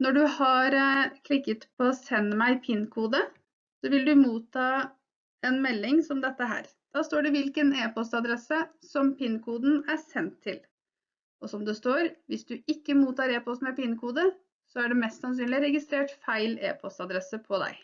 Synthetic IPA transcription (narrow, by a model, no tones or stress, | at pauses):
nɔɖʉhɑɾkʰlɪkːət̪pʰɔsɛnːəmæɪpʰɪnkʰuːd̪ə | sɔʋɪld̪ʉmuːt̪ʰːɑː | ɛnmɛlːɪŋsɔmd̪ɛt̪ːəɦæ̰ːɾ | d̪̥ɑːst̪oːɖɛʋɪlkəneːpɔst̪ɑd̪ɾɛsə | sɔmpɪnkʰuːd̪n̩æsɛnt̪ʰːɪl | ɔsɔmd̪ɛst̪oːɾʋɪsd̪ʉʔɪkːəmuːt̪ɑːɾeːpɔst̪mæpɪnkʰuːd̪ə | sɔæɖɛmɛst̪sɑns̬yːnlɪɾɛɡɪst̪ɾeːʈfæɪlḛːpʰɔst̪ɑd̪ɾɛsəpʰɔd̪æ̰ɪ